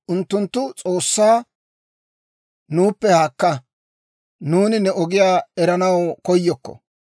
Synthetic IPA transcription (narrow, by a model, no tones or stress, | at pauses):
ʔʊnt̪ːʊnt̪ːʊt͡sʼoːsːaː | nuːpːɛhaːkːɐ | nuːnɪnɛʔɔɡɪjaːɛɾɐnɐwkɔjːɔkːɔ̰